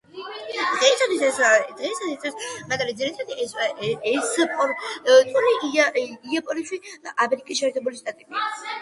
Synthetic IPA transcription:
d̪̥ʁɛsat̪ʰwisɛsd̪̥ʁɛsat̪it̪ʰɛsmaɡaɾɛzinit̪ʰad̪iɛɛspʼɔɾt̪ʼuniiapʼɔniʃwiamɛɾikʼisʃɛːɾt̪ʰɛbuliʃt̪ʼat̪ʼibi

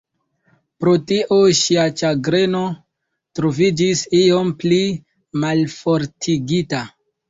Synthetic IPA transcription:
pɾo̞tiʔoʃiat͡ʃaɡɾe̞no̞ | tɾo̞vid͡ʒisio̞mpli | malfo̞ɾtʰiɡita

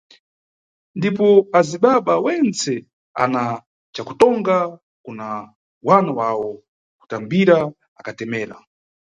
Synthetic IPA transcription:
ndipɔaziɓaɓawɛnt͡sɛ | a̰na | t͡ʃaku̥tɔŋɡa | kuna | wanawawɔ | ku̥tambiɾa | akatɛmɛːɾa̰

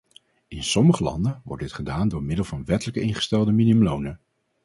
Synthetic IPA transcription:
ɪnsɔməχəlɑ̰ndənʋɔ̰ɹdɪtχədaːndʊːɹmɪdəlˠvɑnʋɛtələkəɪnχə̥stɛlˠdəminəmlownə

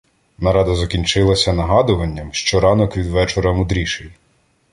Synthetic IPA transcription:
nɐɾɑd̪ɐzɐkʲinʲt͡ʃɪlˠɐsʲɐnɐɦɑd̪ʊʋɐnʲːɐmʃt͡ʃɔɾɑnɔkʋʲid̪ʋɛt͡ʃɔɾɐmʊd̪ɾʲiʃɪj

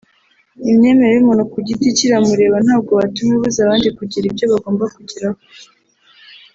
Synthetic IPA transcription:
imɲe̞me̞ɾeimonokuɟiticiɾamuɾe̞ːβan̥haːb̚ɡo̞βatumeβuzaβaːndikuɟiɾibjoβaɡo̞ːmbakuɟiɾaho

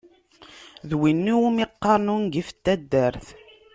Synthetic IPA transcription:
ðwinːiwumiqːɑɾˤnunɡifə̥t̪ːæd̪ːæɾθ

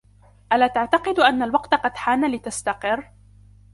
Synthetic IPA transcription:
ʔalaːt̪aʕt̪ɑqɨd̪ʔanːalwɑqt̪aqɑd̪ħaːnalɪt̪ast̪aqɨrː

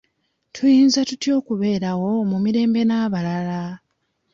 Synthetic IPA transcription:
tʰujiːnzatutjo̞ːkuβe̞ːɾawo̞mumiɾe̞ːmbe̞naːβalala

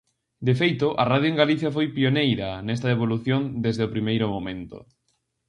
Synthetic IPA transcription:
d̪efejt̪ʊʔɐrað̞joeŋɡaliθjɐfojpionejɾɐnɛst̪aeβ̞oluθjond̪ezðeopɾimejɾʊmomẽnt̪o̰

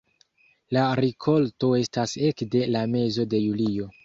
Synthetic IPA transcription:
laɾikʰo̞lto̞e̞stase̞kde̞lame̞zo̞de̞julio̞

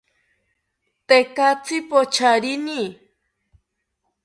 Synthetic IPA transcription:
t̪ekat͡sipot͡ʃaɾini

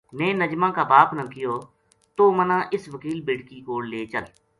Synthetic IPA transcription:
nẽːnəd͡ʒmãːkaːbaːpnãːkɪjoː | t̪oːmənãːʔɪsʋəkiːlbɪɽkiːkoːɽleːt͡ʃəl

